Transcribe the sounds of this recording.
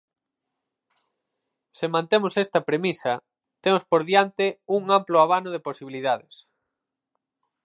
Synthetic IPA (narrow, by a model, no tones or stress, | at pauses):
semãnt̪emosɛst̪ɐpɾemisɐ | t̪emospoɾðjant̪ɪuŋamploaβanoðeposiβiliðaðɪs